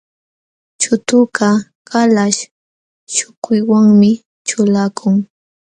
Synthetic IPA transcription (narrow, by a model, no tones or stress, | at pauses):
t͡ʃʊt̪ʊka | kalaʃ | ʃʊkʊjwaŋmɪ | t͡ʃʊlakʰʊŋ